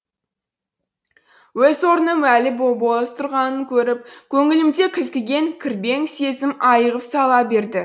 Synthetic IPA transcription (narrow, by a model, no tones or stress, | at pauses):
wɵzwoɾnəmælɪbobolˠəst̪ʰʊɾʁɑnəŋkʲʰɵɾɪp̚kʲʰɵŋɪlɪmd̪e̞kʲʰɪlkʲɪɡʲe̞ŋkʲʰɪɾbe̞ŋse̞zɪmɑjəʁəpsɑlˠɑbe̞ɾd̪ɪ